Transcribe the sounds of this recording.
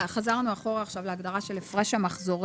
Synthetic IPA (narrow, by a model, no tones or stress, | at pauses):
χazaʁnuaχo̞ʁaːχʃavleaɡdaʁaʃe̞lefʁe̞ʃhamaχzo̞ʁ